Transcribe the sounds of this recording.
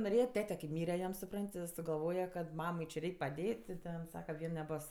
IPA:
noːˈrʲeːjɛ ˈtʲæːtʲɛ kʲɪ ˈmʲiːrʲɛ jɛm sʊˈprɐnʲtʲ ɪ sʊɡɐˈlˠʋoːjɛ kɐt ˈmɑːmɐɪ t͡ʃʲɪ ˈrʲɛɪkʲ pɐˈdʲeːtʲ tʲɪ ˈtʲɛn ˈsɑːkɐ ˈʋʲiɛn nʲɛˈboːs

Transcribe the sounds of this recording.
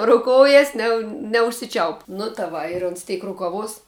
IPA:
oː roːʊˈkoːʊjɛs nʲɛ nʲɛʊʃʲsʲɪˈt͡ʃʲɛʊp nʊ tɐ ˈʋɐ ɪr oːns ˈtʲɛɪk rʊkɐˈʋoːs

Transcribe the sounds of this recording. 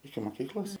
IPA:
ɪkʲɪ moːˈkʲiːklˠoːs

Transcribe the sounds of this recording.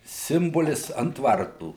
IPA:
ˈsʲɪmboːlʲɪs ɐnt ˈʋɐrtuː

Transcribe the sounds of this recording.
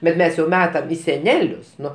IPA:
bʲɛt ˈmʲɛs jɛʊ ˈmʲæːtɐm iː sʲɛˈnʲæːlʲʊs ˈnʊ

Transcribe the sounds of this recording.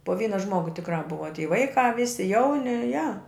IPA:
poː ˈʋʲiːnɐ ˈʒmoːɡʊ tʲɪkˈrɑː ˈbʊʋɐ tʲiː ˈʋɐɪkɑː ˈʋʲɪsʲɪ ˈjɛʊnʲɪ jɛ

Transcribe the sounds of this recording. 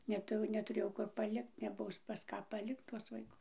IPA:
nʲɛˈtʊ nʲɛtʊˈrʲeːjɛʊ ˈkʊr pɐˈlʲɪkt nʲɛˈbʊs pɐs ˈkɑː pɐˈlʲɪkt tuɔs ʋɐɪˈkʊs

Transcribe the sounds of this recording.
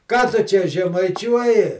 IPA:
ˈkɑː tʊ ˈt͡ʃʲɛ ʒʲɛmɐɪˈt͡ʃʲuɔjɪ

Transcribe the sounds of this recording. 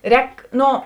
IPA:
ˈrʲɛːk ˈnoː

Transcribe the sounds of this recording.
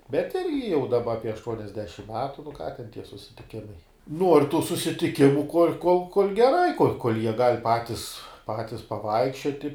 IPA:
bʲɛt ˈɪrʲɡʲɪ jɛʊ dɐˈbɐ ɐpʲiɛ ɐʃˈtuɔnʲɛzʲdʲɛʃʲɪm ˈmʲæːtʊ nʊ kɑː tʲɛn tʲiɛ sʊsʲɪtʲɪˈkʲɪmɐɪ nuɔr tuː sʊsʲɪtʲɪˈkʲɪmʊ koːlʲ koːlˠ koːlʲ ɡʲɛˈrɐɪ koːlʲ koːlʲ jiɛ ɡɐlʲ ˈpɑːtʲɪs ˈpɑːtʲɪs pɐˈʋɐɪkʃʲt͡ʃʲoːtʲɪ

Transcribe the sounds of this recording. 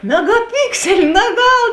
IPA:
mʲɛɡɐˈpʲɪksʲɛlʲɪ nɐˈɡɐlˠ

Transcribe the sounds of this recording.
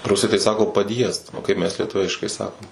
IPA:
ˈrʊsɐɪ tɐɪ ˈsɑːkoː pɐˈdʲjiɛst oː ˈkɐɪp mʲɛs lʲiɛˈtʊʋʲɪʃkɐɪ ˈsɑːkoːm

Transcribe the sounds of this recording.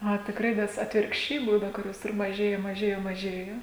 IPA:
ɐ tʲɪkˈrɐɪ nʲɛs ɐtʲʋʲɪrkʃʲˈt͡ʃʲɛɪ ˈbuːnɐ kʊˈrʲoːs ɪr mɐˈʒʲeːjɛ mɐˈʒʲeːjɛ mɐˈʒʲeːjoː

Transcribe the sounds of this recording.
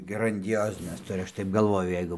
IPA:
ɡrɐnʲdʲɪˈjoːzʲɪnʲɛs ˈtʊrʲɪ ˈɐʃ tɐɪp ɡɐlˠˈʋoːjʊ ˈjɛɪɡʊ

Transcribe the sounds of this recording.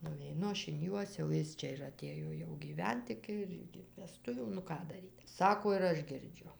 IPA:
nʊʋʲɛɪˈnʊ ˈɐʃ ɪn ˈjuɔs jɛʊ ˈjɪs t͡ʃʲɛ ɪr ɐˈtʲeːjoː jɛʊ ɡʲiːˈʋʲɛnt ˈɪkʲɪ ɪr ɪkʲɪ ʋʲɛˈstʊʋʲuː nʊ ˈkɑː dɐˈrʲiːt ˈsɑːkoː ɪr ˈɐʃ ɡʲɪrʲˈd͡ʒʲʊ

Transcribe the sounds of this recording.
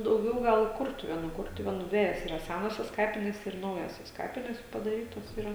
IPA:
dɐʊˈɡʲɛʊ ˈɡɐlˠ ɪ ˈkʊrtʊʋʲeːnuː ˈkʊrtʊʋʲeːnuː ˈdʲʋʲæːjoːs ɪrɐ ˈsʲænoːsʲoːs ˈkɑːpʲɪnʲeːs ɪr ˈnɐʊjoːsʲoːs ˈkɑːpʲɪnʲeːs pɐdɐˈrʲiːtoːs iːˈrɐ

